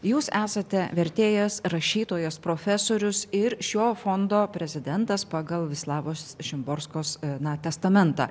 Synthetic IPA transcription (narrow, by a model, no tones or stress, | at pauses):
juːsæːsɐt̪ʲɛʋʲɛɾʲt̪ʲeːjɛsɾɐʃʲiːt̪oːjɛspɾoːfʲɛsoːɾʲʊsɪɾʃʲoːfond̪oːpʲɾʲɛzʲɪd̪ʲɛnt̪ɐspɑːɡɐlˠʋʲɪslˠɑːʋoːsʃʲɪmboːɾskoːsnɐt̪ʲɛst̪ɐmʲɛnt̪ɑ̰ː